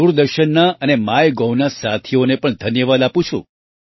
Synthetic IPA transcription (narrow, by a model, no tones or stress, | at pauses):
uɾd̪əɾʃənːaʔənemajɡownasat̪ʰionepəɳd̪ʱənjəʋad̪apũt͡ʃʰṵ̃